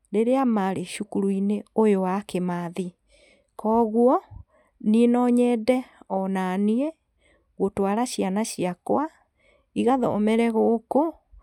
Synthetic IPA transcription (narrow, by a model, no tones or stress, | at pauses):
ɾeɾeamaɾeʃukuɾuineojowakemaði | kɔɣwɔ | nienɔɲɛːdɛɔnanie | ɣotwaɾaɕianaɕiakwa | iɣaðɔ̰omɛɾɛɣoko